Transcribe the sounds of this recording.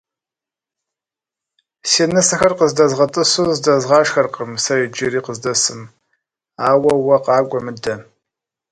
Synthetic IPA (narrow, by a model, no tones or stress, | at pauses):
seːnɨsɐxɐrqəzdɐzʁɐtʼɨsuːzdɐzʁɑːʃxɐrqʼəmsɐid͡ʒɪɾiːqəzdɐsɨm | aːwɐwɐqɑːɡʷʼɔmɨdɐ